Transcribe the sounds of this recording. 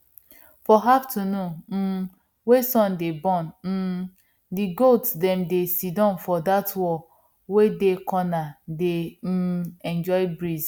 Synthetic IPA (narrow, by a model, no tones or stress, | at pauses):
fɔɦaftʰuno | wesɔ̃ndebɔ̃n̩ | diɡoltdɛ̃mdesidãnfɔdatwɔ | wedekʰɔnade | ɛ̃nd͡ʒɔɪbɹiz